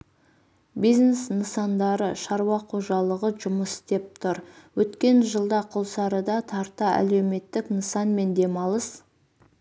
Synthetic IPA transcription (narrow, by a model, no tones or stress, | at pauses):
bijznesnəsɑnd̪ɑɾəʃɑɾwɑqʰo̞ʒɑlˠəʁəʒʊməst̪e̞p̚t̪ʰʊɾwɵt̪kʲe̞nʒəlˠd̪ɑqʰolˠsɑɾəd̪ɑt̪ʰɑɾt̪ɑæ̰le̞wme̞t̪ːɪknəsɑnme̞nd̪e̞mɑlˠəs